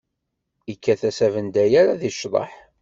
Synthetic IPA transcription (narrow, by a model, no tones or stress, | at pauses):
ikːæθæsævənd̪æjaɾaðiʃðˤɑ̰ħ